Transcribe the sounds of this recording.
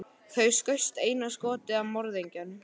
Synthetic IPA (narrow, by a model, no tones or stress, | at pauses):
θœɥskœɥst̪eːjnaskɔːt̪ɪavmɔɾðejɲcan